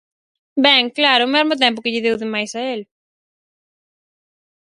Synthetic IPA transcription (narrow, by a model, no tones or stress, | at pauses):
bɛŋklaɾʊomɛzmot̪̬ɛmp̬ʊkɪʎɪðewðemajsɐel